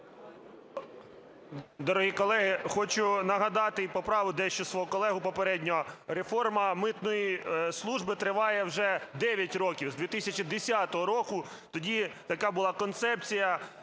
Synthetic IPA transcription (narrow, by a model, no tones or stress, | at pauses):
d̪ɔɾɐɦʲikɔlˠɛɦɪxɔt͡ʃʊnɐɦɐd̪ɑt̪ɪpɔpɾɑʋʊd̪ɛʃt͡ʃɔsʋɔɦukɔlˠɛɦʊpɔpeɾɛdʲnʲɔɔɾefɔrmɐmɪt̪nɔjislˠuʒbɪt̪ɾɪʋɑjɛwʒɛd̪ɛʋʲjɐtʲɾɔkʲiwzd̪ʋʲit̪ɪsʲɐt͡ʃid̪esʲat̪ɔɦɔɾɔkʊ | t̪ɔdʲit̪ɐkɑbʊlˠɑkɔnt̪sɛp̚t͡sʲijɐ